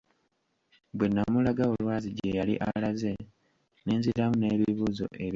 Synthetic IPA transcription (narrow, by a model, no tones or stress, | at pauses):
bwe̞nːamulaɡao̞lwaːziɟejalḭʔa̰laze̞ | neːnziɾamune̞ːβiβuːzo̞̰ʔe̞β